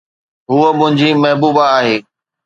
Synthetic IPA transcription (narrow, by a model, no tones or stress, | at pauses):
ɦuːəmʊ̃ɦɪ̃ɲd͡ʑiːmɐɦbuːbaaːɦeː